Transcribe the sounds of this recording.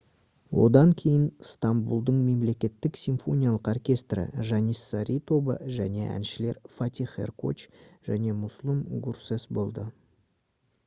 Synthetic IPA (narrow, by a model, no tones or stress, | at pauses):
wo̞̰d̪ɑŋkʲʰe̞jɪnst̪ɑmbulˠd̪əɴme̞mle̞kʲe̞t̪ːɪksʲiɱfo̞nʲijalˠəqorkʲe̞st̪rə̰ʒɑnisːɑɾʲʔit̪o̞bə̰ʒæne̞ʔæ̰nʃɪle̞ɾfat̪ʲiχḛrko̞̰t͡ʃʒæne̞mʊslˠəmɡursesbo̞lˠd̪ə